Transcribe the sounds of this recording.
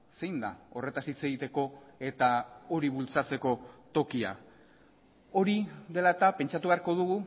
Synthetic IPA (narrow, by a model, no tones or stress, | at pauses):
se̞jnd̪a̰o̞re̞t̪asit͡se̞ɣit̪e̞ko̞e̞t̪ao̞ɾiβult͡sat͡se̞ko̞t̪o̞kia̰ | o̞ɾiðe̞lat̪ape̞nt͡ʃat̪uβe̞aɾko̞ð̞uɣu